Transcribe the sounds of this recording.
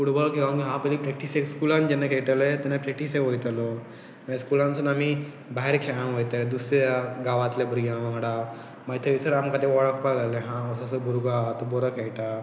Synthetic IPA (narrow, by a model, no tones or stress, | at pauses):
kuɽbəɭkʰeɡankiɦãpəlipɾɛk̚ʈisekskulãnd͡ʑenekʰeɭt̪elet̪ɛnepɾɛk̚ʈiseʋojt̪alɔ | məeskulãnt͡sənami | baɦeɾkʰeɭãnʋojt̪əled̪usaɡaʋat̪lebɾijãʋãɽa | mad͡ʑt̪ʰjeʋit͡səɾamkat̪eʋɔɭəkpalaleɦãəsasəbʱuɾɡat̪əbɔɾəkʰeɭʈa